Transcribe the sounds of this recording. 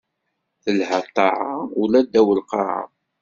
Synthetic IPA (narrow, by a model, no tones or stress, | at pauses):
θəlhət̪ˤːɑʕaulæd̪ːæwəlqɑa̰